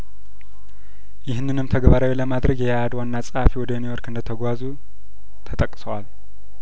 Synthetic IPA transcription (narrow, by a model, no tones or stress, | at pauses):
jɪhnːɨnɨmt̪ʰɐɡbaɾawilɐmad̪ɾɐɡjɛjaːd̪wanːat͡sʼɨhafiwɔd̪ɐnijoɾkɨnd̪ɐt̪ʰɐɡʷazu | t̪ʰɐt̪ʼɐkʼːɨ̥soal